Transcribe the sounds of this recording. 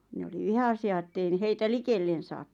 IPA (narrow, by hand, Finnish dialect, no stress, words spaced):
ne oli ʋihɑsiɑ ĕtːei n̆ĭ heitæ likelːen̞ sɑːt